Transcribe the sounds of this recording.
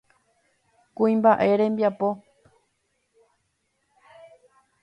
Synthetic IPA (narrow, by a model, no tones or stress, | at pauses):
kuĩmbaʔe̞ɾẽmbjapo̞